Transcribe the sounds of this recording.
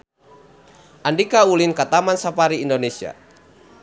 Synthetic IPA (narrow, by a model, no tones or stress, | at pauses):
ʔandikaulinkat̪amansapaɾiːndonesia̰